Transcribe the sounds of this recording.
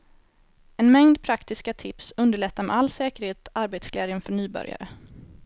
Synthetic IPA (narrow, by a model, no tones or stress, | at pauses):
ɛnmɛŋd̪pʰɾakt̪ɪskat̪ʰɪpsɵnd̪əɭɛt̪ːamɛ̰ʔalːsɛːkəɾheːt̪aɾbeːt̪sklɛːd̪jənfœɳyːbœ̰ɾja̰ɾə